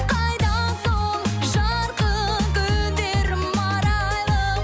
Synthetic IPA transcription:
qʰɑjd̪ɑnsoɴʒɑɾqəkʲʰʏld̪eɾmɑɾɑjlˠə

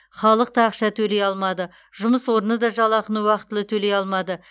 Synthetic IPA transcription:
χɑlˠəq̚t̪ɑːqʃɑt̪ʰɵle̞jɑlˠmɑd̪ə | ʒʊməswo̞ɾənəd̪ɑʒɑlˠɑqənəwɑqt̪ːəlˠət̪ʰɵle̞jɑlˠmɑd̪ə

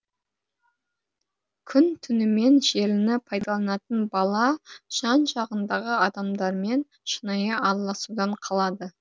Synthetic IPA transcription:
kʲʰʏnt̪ʰʏnɪme̞nʒe̞lɪnɪpʰɑjd̪ɑlˠɑnɑt̪ənbɑlˠɑʒ̥ɑnʒɑʁənd̪ɑʁəɑd̪ɑmd̪ɑɾme̞n | ʃənɑjɑʔɑɾlˠɑsud̪ɑɴqʰɑlˠɑd̪ə

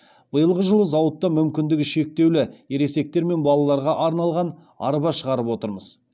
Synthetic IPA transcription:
b̥əjəlˠʁəʒəlˠəzɑwət̪ːɑmʏmkʲɪnd̪ɪɡʲɪʃe̞k̚t̪e̞wlɪeɾe̞se̞k̚t̪e̞ɾme̞nbɑlˠɑlˠɑɾʁɑʔɑɾnɑlˠʁɑn | ɑ̰ɾpɑʃəʁɑɾəpwo̞t̪əɾməz̥

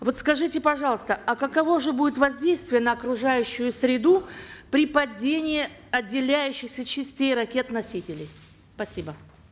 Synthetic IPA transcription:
vo̞t̪skɐʐɨtʲɪpɐʐɑlˠəst̪əʔɐkɐkɐvo̞ʐɨbudʲɪt̪vɐzʲdʲejst̪vʲɪjənəːkɾʊʐajʉɕːʊjʊsʲɾʲɪd̪upɾʲɪpɐdʲenʲɪːɐdʲːɪlʲæjʉɕːɪxsʲət͡ɕɪsʲtʲejrɐkʲe̞t̪nɐsʲitʲɪlʲɪj | spɐsʲibə

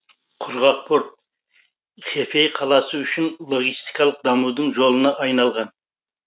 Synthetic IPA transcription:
qʰʊɾʁɑq̚pʰo̞ɾt̪̚ | χe̞fejqʰɑlˠɑsəʏʃɪnlˠoɡʲist̪i̥kɑlˠəq̚d̪ɑmud̪əɴʒo̞lˠənɑʔɑjnɑlˠʁɑn

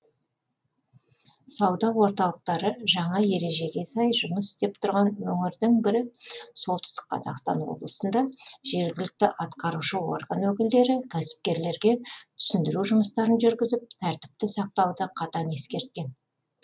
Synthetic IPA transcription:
sɑwd̪ɑwo̞ɾt̪ɑlˠəq̚t̪ɑɾəʒɑɴɑje̞ɾe̞ʒe̞ɡʲe̞sɑjʒʊməsɪ̥st̪e̞p̚t̪ʰʊɾʁɑnwɵŋɪɾd̪ɪŋbɪɾɪsolˠt̪ɪ̥st̪ɪ̥qqːʰɑ̰zɑ̰qst̪ɑ̰nwo̞̰blˠəsənd̪ɑʒ̥e̞ɾɡʲɪlɪk̚t̪ɪʔɑt̪qɑɾuʃəo̞̰rɡənwɵkʲɪld̪e̞ɾɪkʲʰæsɪ̥p̚kʲe̞ɾle̞ɾɡʲe̞t̪ʰʏ̥sʏnd̪ɪɾuʒʊməst̪ɑɾənʒʏɾɡʲɪzɪp̚t̪ʰæɾt̪ɪ̥p̚t̪ɪsɑq̚t̪ɑwd̪əqʰɑt̪ɑne̞skʲe̞ɾt̪̚kʲe̞n

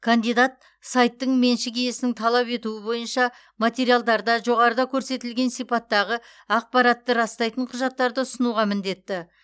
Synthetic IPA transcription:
kʰand̪ijd̪at̪̚ | sajt̪ːəɴme̞nʃɪkʲʰeje̞sɪnɪŋt̪ʰɑlˠɑpe̞t̪uɪbo̞jənʃɑ | mat̪ʲe̞ɾijalˠd̪ɑɾd̪ɑʒo̞ʁɑɾəd̪ɑkʲʰɵɾse̞t̪ɪlɡʲe̞nsijpɑt̪ːɑʁə | ɑq̚pɑɾɑt̪ːəɾɑst̪ɑjt̪əɴqʰʊʒɑt̪ːɑɾd̪əʊsənuʁɑmɪnd̪e̞t̪ːɪ

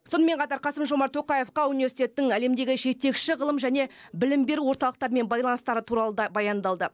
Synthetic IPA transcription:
so̞nəme̞ɴqʰɑt̪ɑɾqʰɑsəmʒo̞mɑɾt̪ʰo̞qɑje̞fqɑunivʲe̞ɾsit̪e̞t̪ːɪŋæle̞md̪e̞ɡʲɪʒe̞t̪e̞kʃɪʁəlˠəmʒæne̞bɪlɪmbe̞ɾuwo̞ɾt̪ɑlˠəq̚t̪ɑɾme̞nbɑjlˠɑnst̪ɑɾət̪ʰuɾɑlˠəd̪ɑbɑjɑnd̪ɑlˠd̪ə

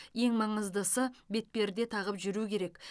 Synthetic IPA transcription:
je̞ŋmɑɴəzd̪əsəbe̞t̪̚pe̞ɾd̪e̞t̪ʰɑʁəpʒʏɾukʲʰe̞ɾe̞k

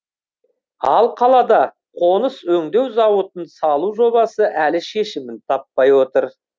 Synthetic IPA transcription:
ɑlˠqʰɑlˠɑd̪ɑ | qʰo̞nəswɵŋd̪e̞wzɑwət̪ənsɑlˠuʒo̞bɑsəʔælɪʃe̞ʃɪmɪnt̪ʰɑpːɑjwo̞t̪əɾ

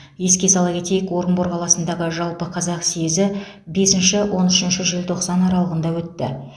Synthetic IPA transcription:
je̞skʲe̞sɑlˠɑɡʲe̞t̪e̞jɪkwo̞ɾənbo̞ɾqʰɑlˠɑsənd̪ɑʁəʒɑlˠpəqʰɑzɑqsiezɪ | be̞sɪnʃɪwʔo̞nʏʃɪnʃɪʒɪlt̪ʰo̞qsɑnɑɾɑlˠəʁənd̪ɑwɵt̪ːɪ̰

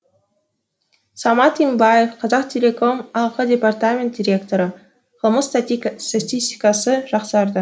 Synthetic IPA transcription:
sɑmɑt̪imbɑjefqʰɑzɑqt̪ʲʰelʲekomɑlˠqədʲe̞part̪amʲent̪̚dʲiɾʲe̞kt̪o̞ɾə | qʰəlˠməsst̪at̪ʲisʲt̪ʲi̥kɑsəʒɑqsɑɾd̪ə

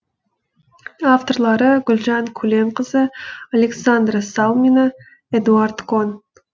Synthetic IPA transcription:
aft̪o̞rlˠɑɾəɡʲʊlʲʒɑŋkʲʰʉle̞mqəzəaleksand̪rsalˠminə | ed̪uart̪kʰo̞n

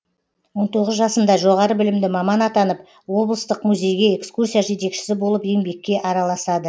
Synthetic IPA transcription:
wo̞nt̪ʰo̞ʁəzʒɑsənd̪ɑʒo̞ʁɑɾəbɪlɪmd̪ɪmɑmɑnɑt̪ɑnəp̚ | wo̞blˠəst̪əqmuzʲe̞jɡʲe̞ekskursʲijaʒe̞t̪e̞kʃɪ̥sɪbo̞lˠəpe̞ŋbe̞kʲːe̞ʔɑɾɑlˠɑsɑd̪ə

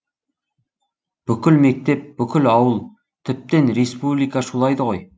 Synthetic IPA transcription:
b̥ʏkʲɪlme̞k̚t̪e̞p̚bʏkʲɪlɑwəlˠ | t̪ʰɪp̚t̪enɾespublijkaʃulˠɑjd̪əʁo̞j

